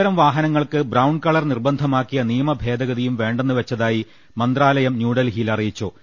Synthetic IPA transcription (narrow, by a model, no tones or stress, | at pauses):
ɐɾɐmʋaːɦɐnɐŋːɐɭkɨbrɐwɳɖkɐɭɐrnirbɐnd̪ʱɐmaːkːijɐnijɐmɐbʱe̞ːd̪ɐɣɐðijumʋe̞ːɳɖenːɨʋet͡ɕːɐðaːji | mɐnd̪raːlɐjɐmnjuːɽɐlɦilɐrijit͡ɕːoː